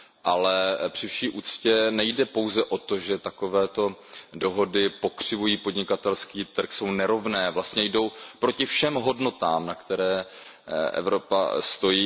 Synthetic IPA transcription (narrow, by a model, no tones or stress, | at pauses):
ʔalɛpr̥ɪfʃiːʔuːt͡scɛnɛjdɛpo̞wzɛʔo̞t̪o̞ʒɛt̪ako̞vɛːt̪o̞do̞ɦo̞dɪpo̞kr̝̥ɪvujiːpo̞dɲɪkat̪ɛlskiːt̪r̩kso̞wnɛɾo̞vnɛːvlast̪ɲɛjdo̞wpɾo̞cɪfʃɛmɦo̞dno̞t̪aːmnakt̪ɛɾɛː | ʔɛ̰vɾo̞pa̰st̪o̞jiː